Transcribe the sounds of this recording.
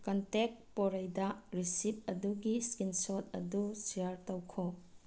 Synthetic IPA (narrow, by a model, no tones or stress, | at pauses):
kɐntek̚pɔɾɐjdɐɾisip̚ɐduɡiskinsɔt̚ɐ̰dusiaɾtɐwkʰɔ